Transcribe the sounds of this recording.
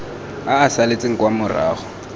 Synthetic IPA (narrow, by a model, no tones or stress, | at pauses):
aːsalet͡sʼɪŋ̩kwamʊra̰ːχɔ̥